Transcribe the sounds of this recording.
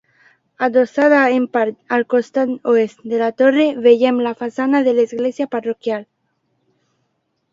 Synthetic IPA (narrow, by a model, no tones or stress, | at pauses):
ad̪osaðaempaɾt̪alkost̪anoest̪d̪elat̪oreβeʝemlafasanaðelaizɣlesjaparokjal